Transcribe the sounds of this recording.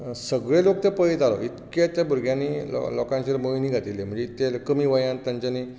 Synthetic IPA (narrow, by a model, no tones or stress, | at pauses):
səɡɭelok̚t̪epəit̪alɔit̪ket̪jabuɾɡʱjãnːiːɔ̰lɔkãɲt͡ɕeɾmojniːɡʱat̪ilem̤ə̃ɳd͡zet̪elkəmiːʋəjãnt̪jãɲt͡ɕani